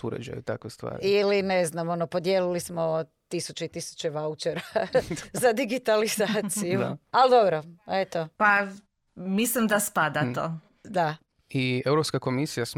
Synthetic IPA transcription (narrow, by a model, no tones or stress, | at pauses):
ṵɾḛd͡ʒa̰jut̪a̰kʋest̪ʋa̰ːɾilineznamo̞nopo̞d̪jeːlilismo̞t̪isut͡ʃeit̪isu̥t͡ʃeʋaut͡ʃeɾazad̪iɡit̪alizaːsijuald̪o̞bɾoet̪opa | mislimd̪aspad̪at̪o̰ | d̪a | iewɾopskako̞misijas